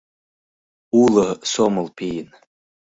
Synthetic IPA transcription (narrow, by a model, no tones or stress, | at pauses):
uləsomɨlˠpʰijn